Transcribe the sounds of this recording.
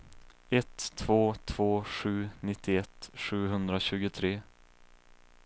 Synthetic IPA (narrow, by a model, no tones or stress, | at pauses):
ɛt̪ʰːvoːt̪ʰv̥oːɧʉ̟ːnɪt̪ːɪɛt̪ɧʉ̟ːɦɵnd̪ɾaɕʉ̟ːɡʊt̪ʰɾeː